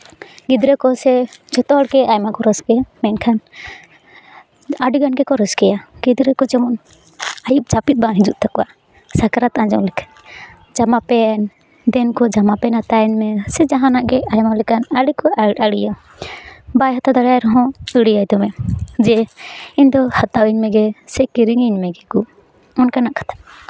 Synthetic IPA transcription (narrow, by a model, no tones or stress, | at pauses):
ɡid̪ɾɛkɔsɛd͡ʒɔt̪ɔɔɽkɛajmakɔɾəskɛjamɛnkʰan | aɖiɡanɡɛkɔɾəskɛjaɡid̪ɾɛkɔd͡ʒɛmɔn | ajip̚t͡ʃapit̪̚bãɦid͡ʒuʔ̪̚t̪akɔwa | sakaɾat̪ãd͡ʒɔlɛkʰḁ | d͡ʒamapɛn | d̪ɛnkɔd͡ʒamapɛnat̪aɲmɛsɛd͡ʒaɦãnaʔɡɛajmalɛkanaɽikɔaɽija | bajɦat̪ad̪aɽajɾɔɦɔ̃əɽijajd̪ɔmɛd͡ʒɛiɲd̪ɔhat̪awiɲmɛɡɛsɛkiɾiŋiɲmɛɡɛkɔ | ɔnkanaʔkḁt̪ʰḁp̚